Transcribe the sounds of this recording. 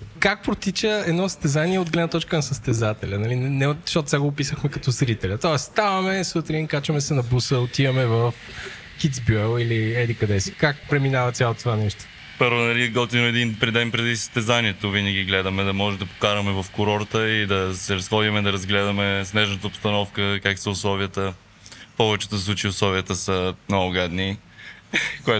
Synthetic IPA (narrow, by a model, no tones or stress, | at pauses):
kak̚pɾot̪it͡ʃəɛd̪nɔsə̥st̪ɛzaniɛod̪ɡlɛd̪nɐt̪ɔt͡ʃkənɐsəst̪ɛzat̪ɛlʲɐnɐlinɛnɛoʃot̪t̪ʲːaɡoːpisəxmɛkɐt̪ɔzɾit̪ɛlʲɐt̪ɔɛsst̪avɐmɛsut̪ɾinkat͡ʃɐmɛsɛnɐbusəot̪ivɐmɛvəf | kit̪zbʲjuɛlˠiliɛd̪ikɐd̪ɛsi̥kak̚pɾɛminavɐt̪sʲjalˠot̪t̪ovanɛʃt̪o̥ | pɤɾvonɐliɡɔt̪inʊɛd̪inpɾɛd̪ɛnpɾɛd̪isə̥st̪ɛzaniɛt̪ovinəɡʲiɡlɛd̪ɐmɛd̪ɐmɔʒɛd̪ɐpo̥kaɾɐmɛvɐfkʊɾɔɾt̪əid̪ɐsɛɾɐsxɔd̪imɛd̪ɐɾɐzɡlɛd̪ɐmɛsnɛʒnət̪əʊpst̪ɐnɔfkəkaksəʊslˠɔviət̪ə | pɔvɛt͡ʃɛ̥t̪osslˠut͡ʃiʊslˠɔviət̪əsənoʊɡad̪ni | kʊɛ